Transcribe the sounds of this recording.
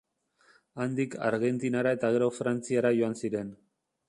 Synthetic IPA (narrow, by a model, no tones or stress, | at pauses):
and̪ikʰa̰ɾɣe̞nt̪inaɾae̞t̪aɣe̞ɾo̞fɾant͡siaɾaʝo̞ansiɾe̞n